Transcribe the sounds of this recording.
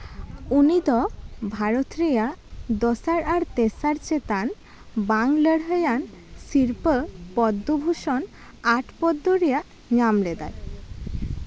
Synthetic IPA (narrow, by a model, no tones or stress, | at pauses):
unid̪ɔbʱaɾot̪ɾijad̪ɔsaɾaɾt̪esaɾt͡ɕet̪an | baŋləɽɦəjan | siɾpəpɔd̪ːobʱuʃɔn | aʈʰpɔd̪ːoɾejaʔ | ɲamled̪a̰ɾ